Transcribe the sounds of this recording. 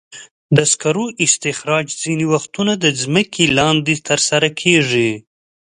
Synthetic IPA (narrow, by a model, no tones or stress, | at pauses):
d̪əskaɾoʔɪst̪ɪxɾɑd͡ʒziniwaxt̪unad̪əzməkʰelɑnd̪et̪əɾsaɾakʰeʐi